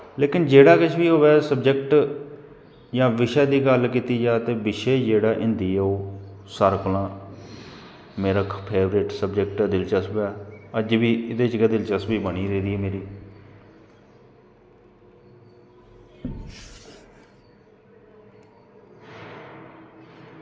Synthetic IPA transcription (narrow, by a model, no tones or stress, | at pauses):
leːkɪnd͡ʒeːɽaːkɪt͡ʃʰʋiːɦoːʋɛːsəbd͡ʒəkʈ | jãːʋɪʃaːd̪iːɡəlkiːt̪iːd͡ʒaːt̪eːbɪʃeːd͡ʒeːɽaːʔɪ̃nd̪iːoː | saːɾkʊlãː | meːɾaːkpʰeːʋɾɪʈsəbd͡ʒəkʈd̪ɪlt͡ʃəsbaːəd͡ʒbiːɪd̪eːt͡ʃɡəd̪ɪlt͡ʃəsbiːbəɽ̃iːɾeːd̪iːɛːmeːɾiː